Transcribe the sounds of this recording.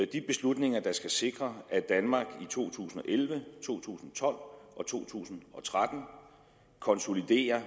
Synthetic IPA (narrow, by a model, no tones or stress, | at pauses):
d̥ib̥e̝slud̥ne̝ŋɐd̥ɑ̈sɡ̥æse̝ɡ̥ʁɐæd̥ænmɑ̈ːɡ̥it͡sʰo̝̰ːt͡sʰṵːsn̩ɒ̽ʔelʋət͡sʰo̝̰ːt͡sʰṵːsn̩t͡sʰɒ̽l̰ʔɒ̽t͡sʰo̝̰ːt͡sʰṵːsn̩ɒ̽t͡sʰʁad̥n̩ | kʰɒ̽nso̝lid̥e̝̰ːɐ